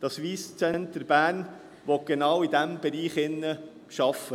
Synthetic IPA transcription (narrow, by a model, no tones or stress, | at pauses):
d̪̥ɑsʋiːst͡sɛntəɾb̥æːɾn | ʋɔt̚ɡ̥enɑːwid̪æmb̥ɛɾiːχɪnːə | ʃɑfːə